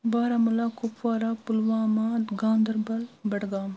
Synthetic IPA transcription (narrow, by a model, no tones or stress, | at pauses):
baːɾamɐlaːkʊpʋaːɾaːpulʋaːmaːd̪ɡãːnd̪ɐɾbɐlbɐɽɡaːm